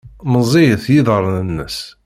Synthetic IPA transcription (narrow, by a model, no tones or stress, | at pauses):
məzˤijəθjiðəɾˤːnənːə̰s